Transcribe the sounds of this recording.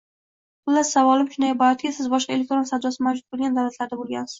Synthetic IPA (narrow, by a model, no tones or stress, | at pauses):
qʊlːasavɒlˠɪmʃʊnajbaat̪ʰɪɡʲasɪzbɒʃqɑe̞lʲekt̪ɾo̞nsad̪ɒsɪmawd͡ʒʊt̪̚bolˠɡʲand̪awlat̪laɾd̪abolˠɡʲa̰nsɪz̥